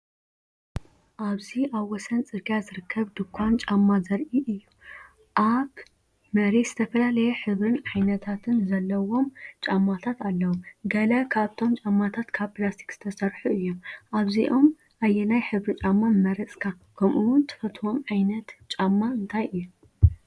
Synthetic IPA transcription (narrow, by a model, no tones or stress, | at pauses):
ʔaβziʔaβwɔsɐnt͡sʼɨɡjazɨɾɨkʰːɐβd̪ɨkʰʷːant͡ʃʼamːazɐɾʔiʔɨjːu | ʔaβ | mɐɾez̥ɨt̪ʰɐfɐlalɐjɛħɨβɾɨnʕajnɐt̪ʰat̪ʰɨnzɐlːɐwo̞mt͡ʃʼamːat̪ʰat̪alːɐwuɡɐlɐkʰaβt̪ʰo̞mt͡ʃʼamːat̪ʰat̪kʰaβplast̪ʰi̥kz̥ɨ̥t̪ʰɐsɐɾħuɨjːomʔaβziʔo̞m | ʔajːɛnajħɨβɾit͡ʃʼamːamɐɾɐt͡sʼkʰa | kʰɐmʔuwʊnt̪ʰɐ̥fɐt̪ʰho̞mʕajnɐt̪t͡ʃʼamːaɨnt̪ʰajʔɨjːu